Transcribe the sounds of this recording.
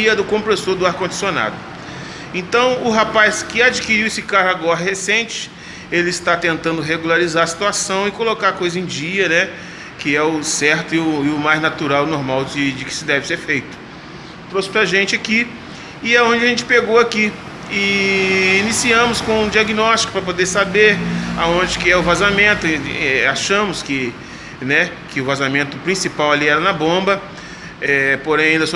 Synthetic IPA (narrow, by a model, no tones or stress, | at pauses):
iɐd̪ʊkõmpɾesoɾd̪ʊaɾkõnd͡ʒisiona̰d̪ʊ | ẽt̪ɐ̃w̃ʊɦapajskɪad͡ʒikiɾiwesɪkaɾaɡɔɾɐɦhesẽnt͡ʃɪ̥ | elɪːst̪at̪ẽnt̪ɐ̃nd̪ʊɦeɡulaɾizaɾɐsi̥t̪uasɐ̃w̃ɪkolokaɾkojzɐẽd͡ʒiɐnɛ | kɪɛʊsɛɾt̪ʊɪʊɪʊmajznat̪uɾawnoɾmawd͡ʒɪd͡ʒɪkɪ̥sɪd̪ɛvɪseɾfejt̪ʊ̥ | t̪ɾosɪ̥pɾaʒẽnt͡ʃɪaki | ɪaõd͡ʒɪɐʒẽnt͡ʃɪ̥peɡowaki | ɪ | inisiɐ̃mʊskõũd͡ʒiaɡinɔst͡ʃi̥kʊ̥pɾɐp̬od̪eɾsabeɾa̰õnd͡ʒɪkɪɛʊvazamẽnt̪ʊɛaʃɐ̃mʊskɪ | nɛkɪʊvazamẽnt̪ʊpɾĩsipawaliɛɾɐnɐbõbɐ | ɛpoɾẽj̃aĩd̪ɐs